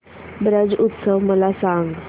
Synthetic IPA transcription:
bɾəd͡zut̪səʋməlasãŋɡ

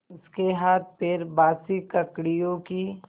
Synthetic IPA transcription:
ʊskeɦaːt̪̚pʰɪɾbaːsikɐkɽijõki

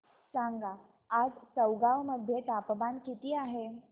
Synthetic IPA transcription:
saŋɡa | ad͡zt͡səwɡaʋməd̪ʱjet̪apbankit̪iːaɦe

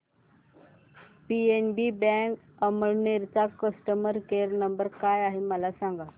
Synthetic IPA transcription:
pienbibɛ̃k | əməɭneɾt͡sakəsʈəməɾkeɾnəmbəɾkajaɦeməlasãŋɡa

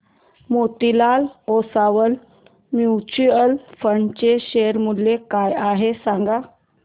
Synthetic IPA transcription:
mot̪ilalɔsaʋəl | mjut͡ɕuəlfəɳt͡ɕeɕeɾmulːekajaɦesãŋɡa

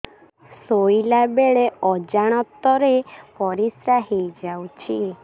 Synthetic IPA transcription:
sojlabeɭeɔd͡ʒaɽ̃ɔt̪ːɔɾepɔɾisɾaɦejd͡ʒawt͡ʃʰi

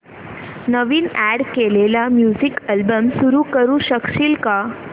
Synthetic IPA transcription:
nəʋiːnæɽkelelamjuzikəlbəmsuɾuːkəɾuɕəkɕiːlka

